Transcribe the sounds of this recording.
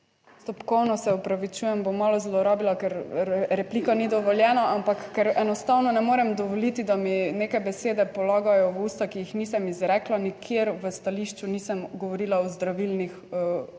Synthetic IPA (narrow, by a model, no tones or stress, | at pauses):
st̪ɔpkɔwnɔsɛɔpɾaʋit͡ʃujɛmbomːalɔzlɔɾɔbilakɛɾɾɛpliːkanid̪ɔʋɔljɛnaʔampakːɛɾɛnɔst̪awnɔnɛmoːɾɛmd̪ɔʋɔlit̪id̪aminekajbɛseːd̪ɛpɔlaːɡajɔwuːst̪akijixniːsɐmizɾɛklanikʰjeɾʋəst̪aliʃt͡ʃunisəmɡɔʋɔɾilaɔzd̪ɾaʋilnix